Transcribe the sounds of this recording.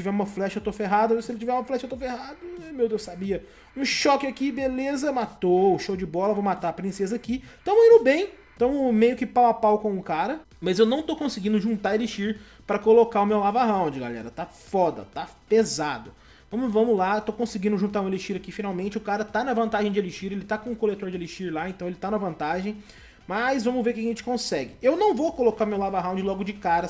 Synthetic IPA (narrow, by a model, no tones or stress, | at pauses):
t͡ʃivɛɾũmɐflɛʃɐewt̪ofeɦad̪ʊɐvsɪelɪt͡ʃivɛɾũmɐflɛʃɐewt̪ofehad̪ʊɛmewd̪ewsabiɐ | ũʃɔkɪakibelezɐmat̪oʊʃowd͡ʒɪbɔlɐvowmat̪aɾɐpɾĩsezɐakit̪ɐ̃w̃ĩndʊbẽj̃ | t̪ɐ̃w̃mejʊkɪpawapawkõʊkaɾɐ | mɐzewnɐ̃w̃t̪owkõsɪɡĩnd̪ʊʒũnt̪aeliʃiɾ | pɾɐkolokaʊmewlavaɦãw̃d͡ʒɪɡa̰lɛ̰ɾɐt̪afɔd̪ɐ̰t̪apezad̪ʊ | vɐ̃mʊvɐ̃mʊlaet̪okõsɪɡĩnd̪ʊʒũnt̪aɾũeleʃiɾɐkifinawmẽnt͡ʃɪʊkaɾɐt̪anɐvɐ̃nt̪aʒẽj̃d͡ʒɪeliʃiɾelɪt̪akõʊkolet̪oɾd͡ʒɪeleʃiɾlaẽñt̪ɐ̃w̃elɪt̪anɐvɐ̃nt̪aʒẽj̃ | mɐzvɐ̃mʊveɾkɪaʒẽt͡ʃɪ̥kõsɛɡɪewnɐ̃w̃vokolokaɾʊmewlavɐɦãw̃d͡ʒɪlɔɡʊd͡ʒɪkaɾɐ